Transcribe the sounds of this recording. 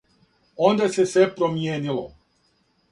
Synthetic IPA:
ond̪asesʋepɾomjeːnilo

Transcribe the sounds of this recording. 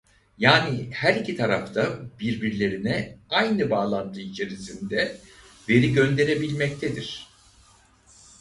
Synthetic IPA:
jaːnihæɾicʰit̪ʰaɾaft̪ʰabiɾbiɾlʲe̞ɾinɛajnɯbaːlˠand̪ʰɯit͡ʃʰe̞ɾisind̪ɛ | ve̞ɾiɟø̞nd̪e̞ɾe̞bilʲmɛc̚t̪ʰed̪iɾ̝̥

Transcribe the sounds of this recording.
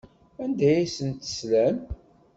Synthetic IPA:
ænd̪æjisənt̪ə̥slæm

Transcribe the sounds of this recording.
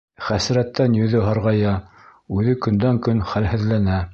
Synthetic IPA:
χæsɾæt̪ːænjɵ̆ðɘɦɑɾʁɑjɑ | ʉðɘkɵ̆nd̪æŋkɵnχælhɘ̆ðlænæ

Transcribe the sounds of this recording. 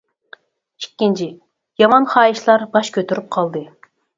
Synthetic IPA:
ikʲːint͡ʃʰi | jɑmɑnχɑːiʃlˠɑɾbɑʃkʲʰøt̪yɾyp̚qʰɑlˠd̪ɨ

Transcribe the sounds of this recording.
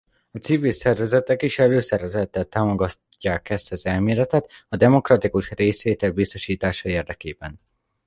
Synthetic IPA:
ɒt̪sivilsɛrvɛzɛt̪ɛkiʃɛløːsɛɾɛzɛt̪ːɛlt̪aːmo̞ɡɒ | cːaːkɛst̪ɛzɛlmeːlɛt̪ɛt̪ɒd̪ɛmo̞krɒt̪ikuʃreːsʋeːt̪ɛlbist̪o̞ʃiːt̪aːʃɒeːrd̪ɛkeːbɛn

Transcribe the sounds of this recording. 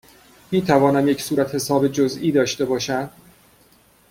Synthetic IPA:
miːt̪ʰævɒːnæmje̞cʰsuːɾæt̪he̞sɒːbed͡ʒoziːd̪ɒːʃt̪e̞bɒːʃæm

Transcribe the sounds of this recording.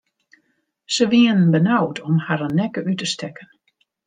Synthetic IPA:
səʋiənbənawtʰɔmhaɾənɛkəʔytəstɛkən

